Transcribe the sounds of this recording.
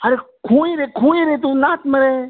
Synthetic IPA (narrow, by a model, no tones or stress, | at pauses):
əɾe | kʰũːeɾekʰũːeɾeːt̪uːnaːt̪məɾeː